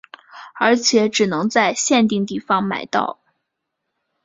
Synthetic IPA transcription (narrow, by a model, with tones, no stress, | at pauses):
ə˞˧˥t͡ɕʰjɛ˨˧˥ʈ͡ʂɻ̩˨˩nɤ˧˥ŋt͡sa˥˧ɪɕjɛ˥˧nt̪i˥˧ŋt̪i˥˩fɑ˥ŋma̰˨˩ɪt̪ɑ̰˥˩ʊ